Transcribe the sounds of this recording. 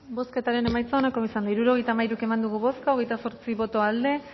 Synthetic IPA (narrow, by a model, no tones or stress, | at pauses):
bo̞ske̞t̪aɾe̞ne̞majt͡sanakoisand̪aiɾuɾo̞ɣe̞jt̪amajɾuke̞mand̪uɣ̞uβo̞skaoɣe̞jt̪aso̞ɾt͡siβo̞t̪o̞ald̪e̞